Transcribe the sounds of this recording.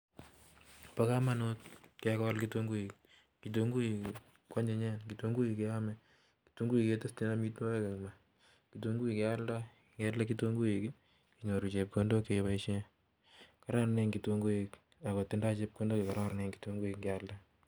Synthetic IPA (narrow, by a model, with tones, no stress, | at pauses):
pa˦ka˦ma˦not̚kɛ˦kɔalkito˦ŋɡu˦i˨k | ki˨t̬oŋɡu˦i | kwa˦ɲe˨ɲɛ˦nki˨to˦ŋɡu˦ji˨ke˦amɛ | ki̥to˦ŋɡu˦i˨kete˦sti˦na˦mi˦two˦e˦ke˨ma˨ | ki˨toŋɡu˦i˨ke˦a˦lda˦ | kɛla˦ki˦to˦ŋɡu˦i˨k | ki˨ɲo˨ɾu˨t͡ʃe˨p̚kondo˦kepa˦iʃe˦ | ka˦ɾa˦ɾneŋɡi˨to˧ŋɡu˦ek | a˨ko˨tːi˦nda˦t͡ʃe˦p̚ko˦ndo˦keka˨ɾa˦ɾneŋki̥toŋɡu˦i˨kŋɡɛ˨alda˦